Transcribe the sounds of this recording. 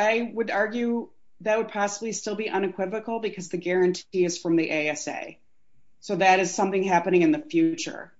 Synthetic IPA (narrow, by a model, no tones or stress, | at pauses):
aɪwɨɾɑɹɡjʉ | ðɨt̚wəd̚pʰɑsəblistɪlˠbiʔʌ̃ñɨkʰw̥ɪvɨkl̩ˠbɨkʰʌzðɨɡɛɹɨ̃ntʰiɨz̥fɹʌ̃mðiʔeɪɛsḛɪ | soʊðɨɾɨz̥sʌ̃mθɪ̃ŋɦæpɨñɪ̃ŋɨ̃nðɨfjʉt͡ʃə̰˞